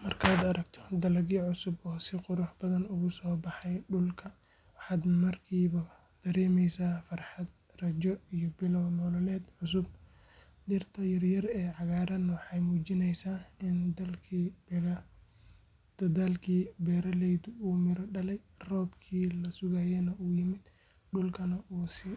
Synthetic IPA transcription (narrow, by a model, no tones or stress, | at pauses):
mɐrkʰaːd̪ɐɾɐɡt̪ʰɔ̥d̪ɐlɐɣiːʕʊsʊbɔːsɪqʊɾʊħbɐðɐnʊɣʊsɔːbɑħɑjɖʊlkʰɐ | wɑħɑːd̪mɐrkʰiːβɐ | d̪̥ɐɾɛːmɛjsaːfɑrħɑd̪̚ | rɐt͡ʃɔijɔbɪlɔwnɔlɔlɛːd̪ʕʊsʊb̚ | d̪ɪrt̪ʰɐjɐrjɐrɛːʕɑɣaːɾɐnɐwɑħɑjmuːt͡ʃɪnɛjsaːɪnd̪ɐlkʰi | d̪̥ɐðaːlkʰiːbɛːɾɐlɛjd̪ʊuːmɪɾɔɖɐlɛj | rɔːbkʰiːlɐsʊɣaːjɛnɐuːjɪmɪd̪̥ | ɖʊlkʰɐnɐʔuːsɪ